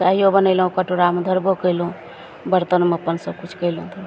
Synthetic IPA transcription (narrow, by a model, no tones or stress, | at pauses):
t͡ʃaɦiobənəɪlɦũkəʈoɾamed̪ʱəɾbokəɪlũ | bəɾt̪ənmeəpənsəb̚kut͡ʃʰkəɪlũt̪ʰi